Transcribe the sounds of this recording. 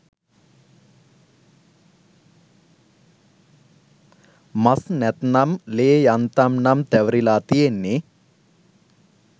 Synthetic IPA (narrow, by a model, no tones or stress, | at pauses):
mɐsnɛt̪nɐmleːjɐnt̪ɐmnɐmt̪ɛʋɾilaːt̪ijenːe